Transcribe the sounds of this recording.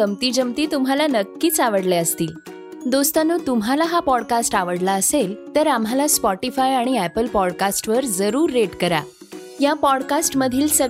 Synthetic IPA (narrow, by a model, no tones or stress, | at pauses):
əmt̪iːd͡ʑəmt̪iːt̪umɦalanəkːiːt͡saʋəɽlɛəst̪iːl | d̪ost̪anuːt̪umɦalaɦapɔɽkasʈaʋəɽlaəselt̪əɾam̤ɦalaspɔʈifajaɽ̃iæpəlpɔɽkasʈʋəɾd͡zəɾuːɾːeʈkəɾa̰ | japɔɽkasʈməd̪ʱiːlsə